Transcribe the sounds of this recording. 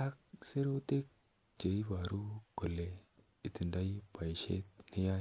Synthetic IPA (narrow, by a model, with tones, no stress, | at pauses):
a˦kse˦ɾo˦t̪e˦k̚ | d͡ʒe˨i˦ba˨ɾu˦ɡo˨le˨ | i˨t̪i˨nda˦i˦pa˨jʃḛ˦t̚ni˦ja˦